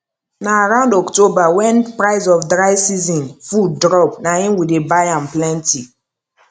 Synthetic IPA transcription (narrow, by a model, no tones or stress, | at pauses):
naːɹãʊ̃ndɔktobawɛ̃npɹaɪzɔfdɹaɪsizɔ̃nfuddɹɔpnahĩmwidebajãnplɛ̃nti